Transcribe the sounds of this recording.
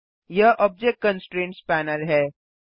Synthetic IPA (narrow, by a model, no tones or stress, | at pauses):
jɐʔɔːb̚d͡ʒek̚ʈ̚kə̃nsʈɾẽːnʈspæːnəlɦɛː